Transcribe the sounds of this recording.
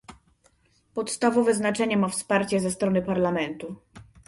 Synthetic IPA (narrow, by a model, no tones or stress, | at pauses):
pɔt̪st̪avɔvɛznat͡ʂɛɲɛmafspaɾt͡ɕɛzɛst̪ɾɔnɘpaɾlamɛnt̪u